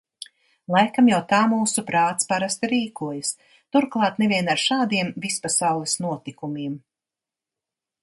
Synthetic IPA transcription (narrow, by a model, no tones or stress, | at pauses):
lˠajkamjawt̪aːmuːsupɾaːt̪spaɾast̪iɾiːkuɔjas | t̪uɾklˠɑːt̪nɛvʲiɛnaɾʃaːd̪iɛmvispasawlˠɛsnuɔt̪ikumiːm